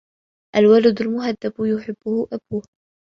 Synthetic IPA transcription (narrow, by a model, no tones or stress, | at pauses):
ʔalwalad̪ʊlmʊɦad̪ːabjʊħɪbːʊhʊʔabuːh